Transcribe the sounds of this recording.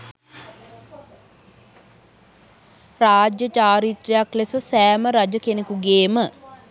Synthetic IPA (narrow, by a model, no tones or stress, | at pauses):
raːd͡ʒjət͡ʃaːɾit̪rejaklesəsæːməɾad͡ʒəkenekuɡeːmə